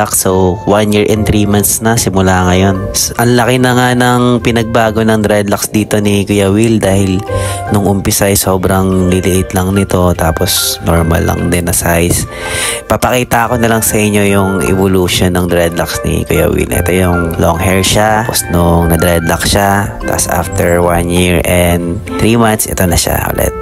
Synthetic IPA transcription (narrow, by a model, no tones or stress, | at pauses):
aksowwanjiɹʔɛnt̪ɾimant̪snɐsɪmʊlaŋɐjo̞nʔɐŋlɐkɪnɐŋanɐŋpɪnɐɡ̚baːɡo̞nɐŋd̪ɾɛd̪lɐksd̪iːt̪o̞nikʊjɐwild̪aːhɪlnʊŋʔʊmpɪsajso̞ːbɾɐŋd̪ɪt̪ɪʔɪt̪lɐŋnɪt̪o̞t̪aːpo̞sno̰ɹmɐ̰lɐ̰ŋd̪ɛnːɐsajs | pɐpɐkiːt̪ɐʔɐko̞nɐlaŋsɐʔɪɲːo̞jʊŋʔɛ̰voluʃonːɐŋd̪ɾɛd̪laksnḭkʊjɐ̰wḭlʔɛ̰t̪o̞jʊŋloŋhɛɹʃaposnʊŋnɐd̪ɾɛd̪lɐksʃat̪a̰sa̰ft̪ɛɹwanjiɹʔɛnd̪ | t̪ɹimant̪sʔɛ̰t̪o̞nɐʃa̰ʔʊ̰lɛ̰t̪̚